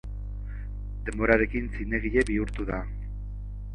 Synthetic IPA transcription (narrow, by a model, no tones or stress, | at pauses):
d̪e̞mbo̞ɾaɾe̞kinsine̞ɣ̞iʎe̞βiuɾt̪uða